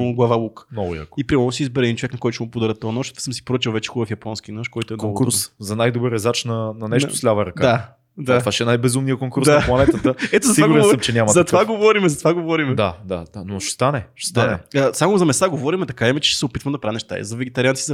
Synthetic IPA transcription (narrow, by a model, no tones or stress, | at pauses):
oɡlˠavalˠuknɔɡʊja̰kipɾimɐlˠnosizbɛɾɛd̪int͡ʃovɛknɐkɔjt̪ʊʃɛmʊpod̪aɾət̪ɔjnɔʃt̪vasəmsi̥pɾot͡ʃilˠvɛt͡ʃɛ̥xubəfjɐpɔnskʲinɔʃkɔjt̪ʊɛnoŋkuɾszɐnajd̪obəɾɛzat͡ʃnɐnɐnɛʃʊ̥slʲavəɾɐkad̪a | d̪at̪ovaʃɛɛnajbɛzumnijəkoŋkuɾsd̪nplˠɐnɛt̪ət̪əɛt̪ozɐt̪ivaɡɾɾɛnsəmt͡ʃɛnʲamɐzɐt̪vaɡovɔɾimɛzɐt̪vaɡovɔɾimɛd̪ad̪ad̪̥anoʃɛ̥st̪anɛʃɛst̪anɛ̰əsamozɐmɛst̪aɡovɔɾimɛt̪ɐkaimɛt͡ʃɛ̥ʃɛ̥sɛopit̪vəmd̪ɐpɾainɛʃt̪a̰ɛ̰zɐvɛɡɛt̪ɐɾʲianizɐ